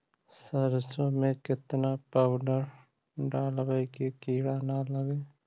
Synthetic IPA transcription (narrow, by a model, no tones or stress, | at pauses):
səɾsomẽkɪt̪napawɖəɾ | ɖaːlʋəjkekiːɽaːnaləɡeː